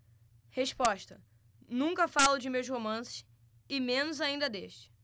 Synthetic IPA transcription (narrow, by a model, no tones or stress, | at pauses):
heʃpɔʃt̪ɐ | nũŋkɐfalʊd͡ʒɪmewshomɐ̃sɪ̥ʃ | ɪmẽnʊzaĩnd̪ɐd̪eʃt͡ʃɪ̥